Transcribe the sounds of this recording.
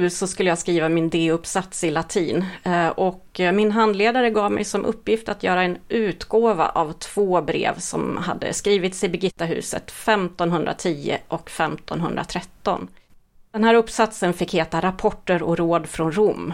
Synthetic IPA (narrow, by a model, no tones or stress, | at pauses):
sɔskɵlːjaːskɾiːvamɪnd̪eːɵpsat̪sɪlat̪ʰiːnʔɔkmɪnɦand̪leːd̪aɾəɡɑːvmɛ̰jsɔmʔɵpːjɪft̪at̪jœːɾaɛnʔʉ̟ːt̪ɡoːva̰ʔavt̪ʰv̥oːbɾḛːvsɔ̰mha̰d̪ːə̰skɾiːvɪt̪sɪbɛɡɪt̪ːaɦʉ̟̰ːsə̰t̪fɛmt̪ɔnɦɵnd̪ɾa̰t̪ʰiːə̰ʔɔkfɛmt̪ʰɔnɦɵnd̪ɾa̰t̪ʰɾɛt̪ːɔ̰n | dd̪̥ɛnɦæːɾɵpːsat̪sənfɪkheːt̪aɾapʰɔʈːəɾɔɾoːd̪fɾɔnɾʊmː